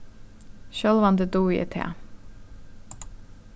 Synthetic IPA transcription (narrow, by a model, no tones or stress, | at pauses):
ʃœlʋɑnd̪əd̪uːjɛ̰t̪ʰḛː